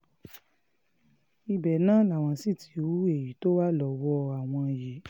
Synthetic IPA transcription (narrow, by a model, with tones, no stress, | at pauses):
i˧bɛ˨nãː˨˦la˨w̃ɔ̃˧si˦˨tʰi˧˨˦wu˨˦e˦˨ji˨˦to˦wa˦lɔ˨˦wɔ˧a˨w̃ɔ̃˧˨je˨˦